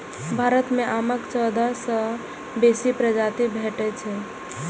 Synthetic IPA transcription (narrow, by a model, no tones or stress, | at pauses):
bʱaɾət̪mẽʔaməkt͡ʃəd̪ʱasə̃ | besipɾəd͡ʒat̪ibʱeʈɛt͡ʃʰɛ